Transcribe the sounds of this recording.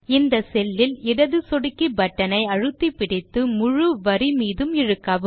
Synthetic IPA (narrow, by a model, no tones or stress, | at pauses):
ɪnd̪ɐsɛlːɪlɪɽɐðɯsɔɽɪkːibɐʈːɐnɐɪɐɻɯt̪ːipːɪɽɪt̪ːɯmʊɻɯʋɐɾimiːðɯmɪɻɯkːaːʋɯ